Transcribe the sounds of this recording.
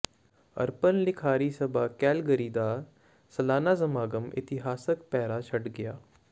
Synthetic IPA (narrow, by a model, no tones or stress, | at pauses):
ɐ̰ɾpənlɪkʰaːɾisɐbʱakɛːlɡəɾiːd̪aː | sɐlaːnaːzɐmaːɡəmɪ̰t̪ɪɦaːsəkpɛːɾat͡ʃʰɐʈɡɐjaː